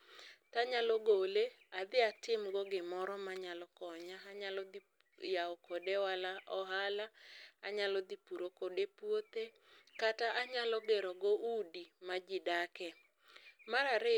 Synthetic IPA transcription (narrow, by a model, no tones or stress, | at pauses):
taɲalɔɡolead̪ɪatɪmɡɔɡɪmɔɾɔmaɲalɔkɔɲaaɲalɔd̪i | jaɔkodewalaʔɔɦalaaɲalɔd̪ipuɾokodepwot̪e | kataʔaɲalɔɡeɾɔɡɔʔudimad͡ʒɪdakɛ | maɾaɾɪ